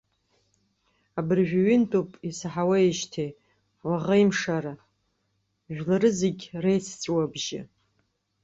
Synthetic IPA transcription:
abɨrʒᶣaɥintʼopʼisħawaeʃtʰe | waʁajmʂaɾa | ʒᶣlaɾɨzeɡʲrejt͡sʰt͡sʷʼwabʒɪ̰

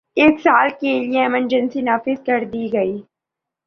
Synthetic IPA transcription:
eːksaːlkelijeɛməɾd͡ʒə̃nsinaːfɪzkɐɾd̪iːɡɐiː

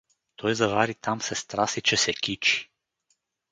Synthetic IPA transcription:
t̪ʰojzavaːɾit̪amsɛst̪ɾaːsit͡ʃɛsɛkit͡ʃi̥

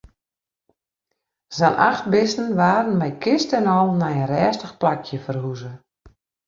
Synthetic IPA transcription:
zanʔa̰xt̚bɪstn̩ʋaːɾən̩mɛjkʰɪstɛnɔlˠnajənrɛːstəxplakʰjəfərhuzə

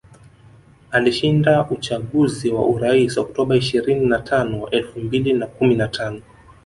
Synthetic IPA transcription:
aliʃindaʔut͡ʃaɠuziwa̰ʔuɾaisɔk̚tɔɓaiʃiɾininatʰanɔɛlfumbilinakuminatʰanɔ

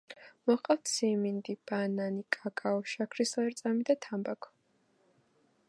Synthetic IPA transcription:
mɔqʼaft̪sʰimind̪ib̥ananikʼakʼaɔʃakʰɾislɛɾt̪sʼamid̪at̪ʰambakʰɔ̥

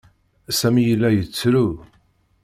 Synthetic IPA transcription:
sæmijəlːæjət͡sːɾu

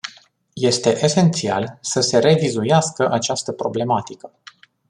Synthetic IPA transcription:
je̞st̪e̞ʔese̞nt̪sia̰lsəse̞ɾe̞vizujaskəʔat͡ʃast̪əpɾo̞ble̞mat̪ikə

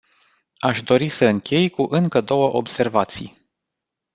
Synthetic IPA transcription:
aʃd̪o̞ɾisəɨŋkʲe̞jkuʔɨŋkəd̪o̞wəʔo̞̰bse̞rvat̪sḭj

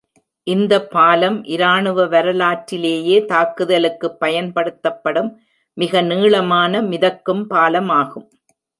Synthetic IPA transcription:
ʔɪnd̪ɐpːaːlɐmʔɪɾaːɳɯʋɐʋɐɾɐlaːʈɾɪleːjeːt̪aːkɯðɐlɯkːɯpːɐjɐnpɐɽɯt̪ːɐpːɐɽɯmː | ɪɣɐniːɭɐmaːnɐmɪðɐkːɯmpaːlɐmaːɣɯm

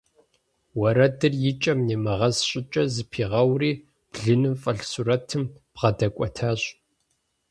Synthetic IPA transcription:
wɐɾɐdɨrjɪt͡ʃʼɐmneːmɨʁɐzɕʼɪt͡ʃʼɐzɨpʰiːʁɐwriː | b̥ɮɨnɨmfʼɐɬsurɐtʰɨmb̥ʁɐdɐkʷʼɔtʰaːɕʼ

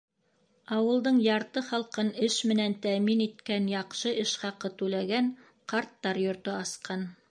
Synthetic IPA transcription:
ɑwɤ̆lˠd̪ɤɴjɑɾt̪ɤχɑlˠqɤnɘʃmɘ̆nænt̪æminit̪kænjɑqʃɤʔɘʃχɑqɤt̪ʉlæɡæn | qɑɾt̪ːɑɾjŏɾt̪ɤɑsqɑn

